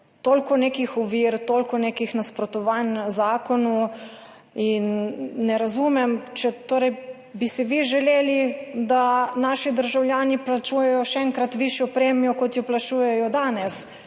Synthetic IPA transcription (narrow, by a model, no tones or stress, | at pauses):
t̪oːlʲkɔneːkixɔʋiɾt̪olkɔneːkixnaspɾɔt̪ɔʋanzaːkɔnu | inːɛɾazumɛmt͡ʃɛt̪oːɾɛj | bisiʋiʒɛleːlid̪anaːʃid̪əɾʒawljaːniplat͡ʃuːjɛjɔʃɛɛŋkɾat̪ʋiʃjɔpɾeːmjɔkɔt̪jɔplaʃuːjɛjɔd̪aːnɛs